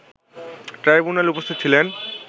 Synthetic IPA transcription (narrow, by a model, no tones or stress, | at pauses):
ʈɾajbunalupost̪ʰit̪ːt͡ɕʰilen